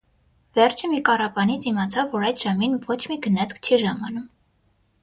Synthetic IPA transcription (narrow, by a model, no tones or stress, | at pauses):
vɛrt͡ʃʰəmikɑrɑpɑnit͡sʰimɑt͡sʰɑvːɔɾɑjd̪ʒɑminvɔt͡ʃʰmiɡənɛt͡skʰt͡ʃʰiʒɑmɑnum